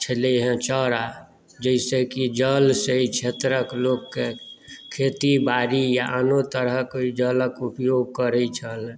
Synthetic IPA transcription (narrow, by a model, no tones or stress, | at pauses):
t͡ʃʰəleɦɛ̃t͡ʃɔːɾa | d͡ʒəɪsekid͡ʒəlseit͡ʃʰeːt̪ɾəkloːɡkekʰeːt̪ibaːɾijaʔanot̪əɾəɦkeid͡ʒələkʊpjoːɡ̚kəɾəit͡ʃʰəl